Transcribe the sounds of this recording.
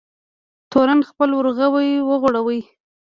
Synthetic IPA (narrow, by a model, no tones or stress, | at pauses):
t̪oɾanxpəlʊɾɣawəjwəɣʊɽawəj